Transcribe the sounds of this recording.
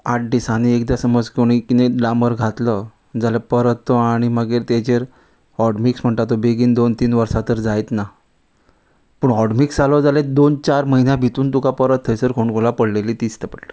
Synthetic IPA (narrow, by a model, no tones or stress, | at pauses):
aʈ̚ɖisañiekd̪jasəməd͡zkʰoɳ̃ikineɖlaməɾɡʱat̪lə | d͡zalepəɾət̪ʰːoaɽ̃iməɡeɾt̪ed͡ʑeɾ | ɔɽmiksm̤əɳt̪at̪ːobeɡiːnd̪ont̪iːnʋəɾsat̪əɾd͡zajt̪na | pəːɳɔɽmiksalɔd͡zaled̪ont͡ɕaɾməɦinjãbʱit̪uːnt̪ukapəɾət̪ʰːəjsəɾkʰoɳkʰolapəɽlelit̪ist̪əpəɽlə